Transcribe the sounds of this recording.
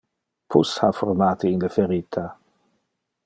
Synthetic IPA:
pʰṵshafɔrmaːt̪iːnlefeɾiːt̪ʰa

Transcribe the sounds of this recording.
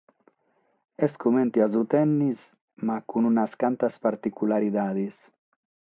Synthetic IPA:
eskumẽnt̪iazut̪ɛnːis | makununaskant̪aspaɾt̪ikulaɾiðaðis

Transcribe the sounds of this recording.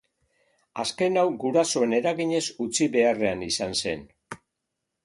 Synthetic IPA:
aske̞nawɡuɾaso̞e̞ne̞ɾaɣiɲe̞sut͡siβe̞are̞anisanse̞̰n

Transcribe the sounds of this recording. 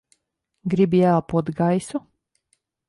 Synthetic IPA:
ɡɾibjælˠpuɔt̪ɡajsu

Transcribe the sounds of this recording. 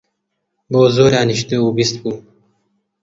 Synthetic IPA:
boːzoːɾjãːniɕt̪euːbist̪̚kuː

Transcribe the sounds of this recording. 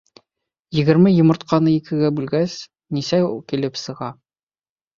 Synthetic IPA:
jɘ̆ɡɘ̆ɾmɘjŏmɤ̆ɾt̪̚qʰɑnɤikʰɘ̆ɡæbʉlɡæs | nisækilɘpsɤ̆ʁɑ

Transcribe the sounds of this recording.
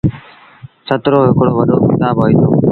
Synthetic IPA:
sət̪ɾoːɦɪkɽoːʋəɗoːkɪt̪aːbɦoːiːt̪ʰo̰ː

